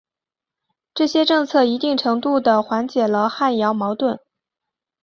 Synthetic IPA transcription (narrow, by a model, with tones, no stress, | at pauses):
ʈ͡ʂɤ˥˩ɕjɛ˥ʈ͡ʂɤ˥˧ŋt͡sʰɤ˥˩i˧˥t̪i˥˩ŋʈ͡ʂʰɤ˧˥ŋt̪u˥˩d̪ə˩xwa˧˥nt͡ɕjɛ˨˩lə˦xa˥˩njɑ˧˥ʊmɑ˧˥ʊt̪wə˥˩n